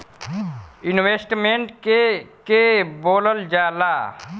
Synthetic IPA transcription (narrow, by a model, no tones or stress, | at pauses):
ɪnweːsʈmẽɳʈkekeboːləld͡ʒaːlaː